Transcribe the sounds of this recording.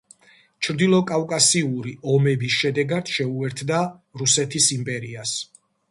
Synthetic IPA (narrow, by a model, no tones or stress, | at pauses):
t͡ʃʰɾd̪ilˠɔkʼavkʼasiuɾiɔmɛbisʃɛd̪ɛɡad̪ʃɛuɛɾt̪ʰd̪aɾusɛt̪ʰisimpʼɛɾias